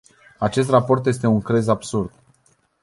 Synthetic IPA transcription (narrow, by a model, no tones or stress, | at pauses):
at͡ʃe̞s̬t̪rapo̞rt̪je̞s̬t̪euŋkɾe̞zabsurd̪